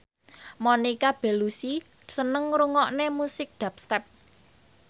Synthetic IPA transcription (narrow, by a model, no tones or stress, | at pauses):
monikab̥e̤lusi | sənəŋɾuŋɔʔnemusɪk̚d̪̥a̤p̚st̪ɛp̚